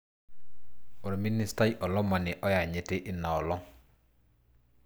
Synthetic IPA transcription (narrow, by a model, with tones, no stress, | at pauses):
o˨ɾmi˦ni˦sta˦jʔɔ˨lɔ˦ma˨nɪ˨ʔɔ˦ja˨ɲe˨te˦ʔɪ˦na˨ɔ˨lɔ˦